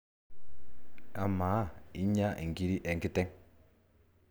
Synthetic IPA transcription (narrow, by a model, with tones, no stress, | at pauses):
a˨maː˨˦˨i˦ɲa˦˨ŋ̩˨ɡi˦ɾi˦ʔɛ˨ŋ˨ki˦tɛ˦ŋ